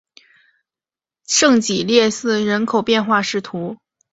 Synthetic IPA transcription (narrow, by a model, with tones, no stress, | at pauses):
ʂɤ˥˩ŋt͡ɕi˨˩ljɛ˥˧sɹ̩˥˩ɻə˧˥nkʰo˨˩ʊpjɛ˥˧nxwa˥˧ʂɻ̩˥˩t̪ʰu˧˥